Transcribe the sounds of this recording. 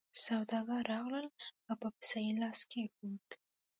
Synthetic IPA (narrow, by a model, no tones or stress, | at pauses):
sawd̪ɑɡaɑɣləlawpəpɪ̥sɑjilɑskekut̪